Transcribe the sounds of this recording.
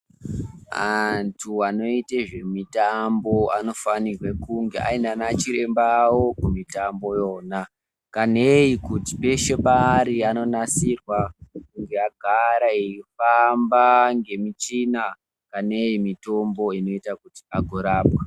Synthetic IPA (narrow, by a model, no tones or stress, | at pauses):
antʰuano̞iteʐe̞mitambo̞ano̞fanirwekuŋɡeʔa̰indanat͡ʃiɾe̞mbawokumitambo̞jo̞ːna | kaneikuti̥pe̞ʃemaɾiano̞nasirwakuŋɡe̞aɡʱaɾaeifambaŋɡe̞mit͡ʃina | kane̞jimito̞mbo̞ino̞itakuti̥aɡʱoɾaːpwa